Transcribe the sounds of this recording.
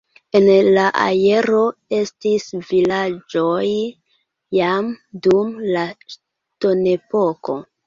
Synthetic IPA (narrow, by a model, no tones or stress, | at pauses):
e̞nlaʔa̰je̞ɾo̞e̞stisvilad͡ʒo̞j | jamdumla | to̞ne̞po̞ko̰